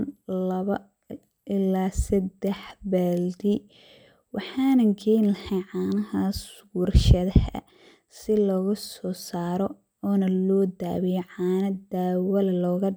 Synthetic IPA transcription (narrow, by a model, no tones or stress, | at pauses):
nlɐβɐ | ʔɪlaːsɐd̪ɛħbɛːld̪i | wɑħɑːnɐŋkʰɛjnlɐhɛjʕaːnɐɦɐswurʃɐðɐhɐ̰ | sɪlɔːɣʊsɔːsaːɾɔ | ɔːnɐlɔːd̪a̰ːβɪjɔʕɑːnɐd̪aːwɐlɐlɔːɣɐ